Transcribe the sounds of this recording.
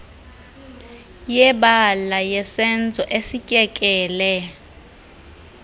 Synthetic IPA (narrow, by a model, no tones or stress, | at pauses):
jɛɓalajɛsɛnd͡zʱɔʔesicʼɛkʼɛːlɛ